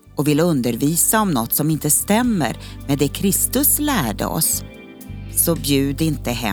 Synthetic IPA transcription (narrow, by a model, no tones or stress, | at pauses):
ɔvɪlːɵnd̪əɾviːsaɔmnɔt̪ːsɔmɪnt̪əst̪ɛmːə̰ɾmɛd̪ɛkʰɾɪst̪ɵslæːɖə̰ɔ̰s | sɔbjʉ̟ːd̪ɪnt̪əɦɛ̰